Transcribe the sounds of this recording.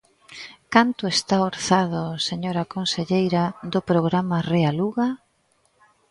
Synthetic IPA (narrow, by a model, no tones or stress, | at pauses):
kant̪ʊest̪aoɾθaðʊseɲoɾakonseʎejɾaðʊpɾoɣɾamarealuɣa